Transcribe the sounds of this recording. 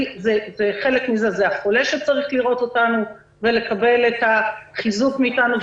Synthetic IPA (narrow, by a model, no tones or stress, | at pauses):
zezeχe̞le̞kmize̞zeaχo̞le̞ʃet͡saʁiχliʁo̞to̞tanu | ve̞le̞kabe̞letaχizukmiːtanuv